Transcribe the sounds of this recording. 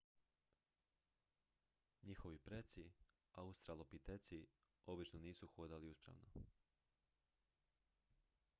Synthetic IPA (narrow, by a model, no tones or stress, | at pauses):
ɲixo̞ʋipɾet̪si | aust̪ɾalˠopit̪et̪si | o̞bit͡ʃnoniːsuxoːd̪aliuspɾa̰ʋno̰